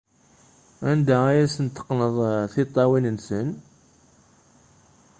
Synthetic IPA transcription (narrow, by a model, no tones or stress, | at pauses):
ænd̪aæjæsənt̪ːə̥qːnəðˤθit̪ˤːɑwinənsən